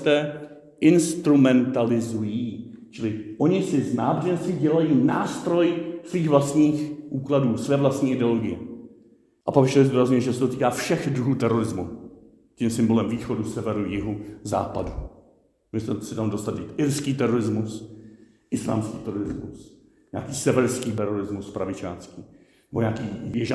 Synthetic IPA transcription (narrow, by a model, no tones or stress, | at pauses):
t̪ɛː | ʔɪnst̪ɾumɛnt̪alɪzujiːt͡ʃɪlɪʔo̞ɲɪsɪznaːbrɛnsɪɟɛlajiːnaːst̪ɾo̞jsviːxvlast̪ɲiːxʔuːkladuːsvɛːvlast̪ɲiːʔɪdɛoloɡɪjɛ̰ | ʔapakɪʃt̪ɛɪzd̪uːɾazɲujɛʒɛsɛt̪ot̪iːkaːfʃɛxd̪ɾuɦuːt̪ɛɾo̞ɾɪzmṵ | cimsɪmbo̞lɛmviːxo̞dusɛvɛɾujɪɦoza̰ːpa̰du | uɛst̪ɛsɪt̪amdo̞st̪ad̪it̪ʔɪɾskiːt̪ɛɾo̞ɾɪzmus | ʔɪsla̰ːmskiːt̪ɛɾoɾɪzmṵs | ɲa̰ːkiːsɛvɛɾskiːt̪ɛɾoɾɪzmuspɾavɪt͡ʃa̰ːnskiː | nɛboɲaːkiːvjɛʒ